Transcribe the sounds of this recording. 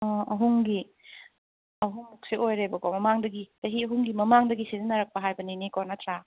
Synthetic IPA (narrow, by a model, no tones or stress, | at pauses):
ɔɐɦuŋɡi | ɐɦuŋmuk̚siʔojɾebɐkɔmɐmaŋdɐɡitɐɦiɐɦuŋɡimɐmaŋdɐɡisizinɐɾɐk̚pɐɦajbɐninikɔnɐt̪ʰɾa